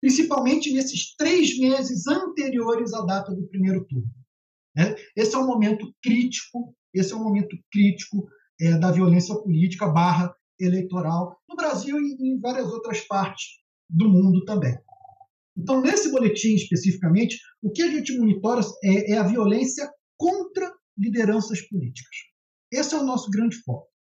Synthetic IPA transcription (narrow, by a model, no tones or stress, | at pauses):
pɾĩs̬ipawmẽnt͡ʃɪnesɪʃt̪ɾejzmezɪzɐ̃nt̪eɾioɾɪzad̪at̪ɐd̪ʊpɾimejɾʊt̪uɾnʊ | nɛesɪɛũmomẽnt̪ʊkɾit͡ʃi̥kʊ | esɪɛũmomẽnt̪ʊkɾit͡ʃi̥kʊ | ɛd̪ɐviolẽsiɐpolit͡ʃi̥kɐbaɦɐ | elejt̪oɾawnʊbɾaziwɪẽj̃vaɾiɐzowt̪ɾɐspaɾt͡ʃɪ̥s | d̪ʊmũnd̪ʊt̪ɐ̃mbẽj̃ | ẽnt̪ɐ̃w̃nesɪbolet͡ʃĩiʃpesifikɐmẽnt͡ʃɪ̥ | ʊkɪɐʒẽnt͡ʃɪmonit̪ɔɾɐɛʔɛɐviolẽsiɐ | kõnt̪ɾɐ | lid̪eɾɐ̃sɐspulḭt͡ʃi̥kɐ̥s | esɪɛʊnɔsʊɡɾɐ̃nd͡ʒɪfɔ̰t̪ʊ̥